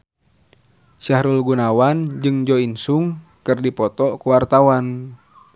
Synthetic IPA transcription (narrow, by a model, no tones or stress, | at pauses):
ʃahɾulɡunawand͡ʒɨŋd͡ʒɔinsuŋ | kɨrdipɔt̪ɔkuwart̪awan